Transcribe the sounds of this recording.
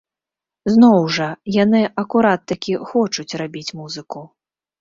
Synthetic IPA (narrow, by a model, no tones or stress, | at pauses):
znɔwʐɐjanɨʔɐkuɾat̪ːɐkʲixɔt͡ʂut͡sʲrabʲit͡sʲmuzɨku